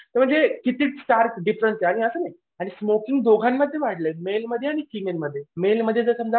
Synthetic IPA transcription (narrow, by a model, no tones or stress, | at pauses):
t̪əɾm̤əɳnd͡zekit̪iːt͡ssʈaɾkɖifɾəsaɽ̃iəsənaj | aɽ̃ismokiŋɡd̪oɡʱanːəd̪ʱːjeʋaɽlemelməd̪ʱːjeaɽ̃ikimeɾməd̪ʱːjemelməd̪ʱːjed͡zəsəmd͡za